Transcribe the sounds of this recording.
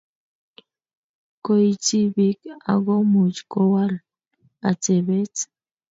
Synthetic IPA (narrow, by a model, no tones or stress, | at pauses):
kojt͡sibika̰ɣomut͡ʃkowaɾ | at͡seβet͡s